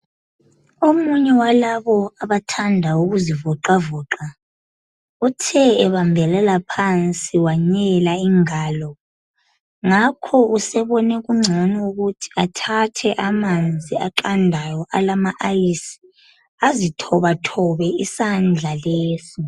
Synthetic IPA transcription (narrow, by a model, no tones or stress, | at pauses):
omuɲɛwalaβɔaβatʰandʱauɣuzivɔǃavɔːǁa | utʰɛɛβambʱɛlɛlapʰant͡sʼiwaɲɛlaiŋaːlɔ | ŋakʰɔusɛβɔnɛɣuŋ͡ǀʱanɛuɣutʰi̥atʰatʰɛʔamand͡zʱiaǃandʱajɔʔalamaʔajisi̥ | azitʰɔβatʰɔβɛisand͡ɮʱaleːsi